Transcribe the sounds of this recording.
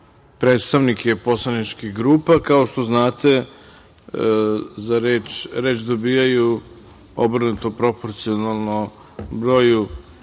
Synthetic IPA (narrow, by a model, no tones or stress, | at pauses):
pɾeːt̪st̪aʋnikepo̞slˠanit͡ʃkixɡɾuːpakao̞ʃt̪o̞znaːt̪e̞ | zaɾeːt͡ʃɾe̞ːt͡ʃd̪o̞biːjaju | o̞̰br̩nut̪opɾo̞po̞ɾt̪sio̞nalˠno | bɾo̞ːju